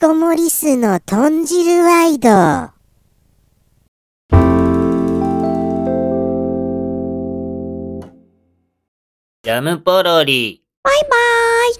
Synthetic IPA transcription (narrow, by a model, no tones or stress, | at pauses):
omoɾʲisɨnot̪ʰõɲd͡ʑiɾɯβaid̪o | d͡ʑamɯpoɾoɾʲi | b̥aibaj